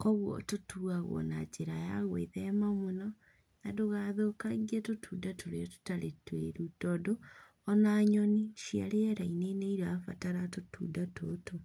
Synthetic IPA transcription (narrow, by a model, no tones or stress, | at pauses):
kɔɣwɔ̰totuaɣɔ̰nad͡ʒeɾajaɣwḛðɛmamonɔ | nadoɣaðokaɣiatotʰuːdatoɾeto̥taɾetweɾutɔdo | ɔnaɲɔniʃia̰ɾeɛɾaineneiɾafataɾatotṵːdatoto